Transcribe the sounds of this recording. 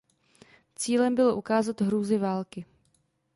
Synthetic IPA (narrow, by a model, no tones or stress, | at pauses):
t͡siːlɛmbɪloʔukaːzat̪ɦɾuːzɪvaːlkɪ